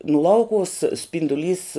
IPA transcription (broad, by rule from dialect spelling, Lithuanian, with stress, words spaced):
nʊ ˈlˠɐʊkʊʋʊs sʲpʲɪndʊˈlʲiːs